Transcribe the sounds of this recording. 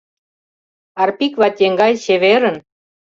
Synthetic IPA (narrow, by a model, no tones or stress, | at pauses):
ɑrpikβɑt̪ʲeŋɡɑjɕeβeɾə̆n